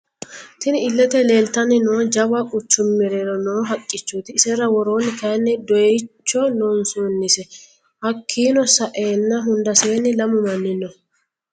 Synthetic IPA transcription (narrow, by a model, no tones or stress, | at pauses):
t̪ɪnɪɪlːɛt̪ɛle̞ːlt̪ɐnːɪnoːd͡ʒɐwɐkʼʊt͡ʃːʊmːɪɾeɾɔnoːɦɐkʼːɪt͡ʃːuːt̪ɪːsɛɾɐwɔɾoːnːɪkɐjnːɛd̪ɔɛt͡ʃːɔnɔnsunːɪsɛ | hɐkʰːiːnɔsɐʔeːnːɐɦʊnd̪ɐse̞ːnːɪlɐmʊmɐnːɪnːɔ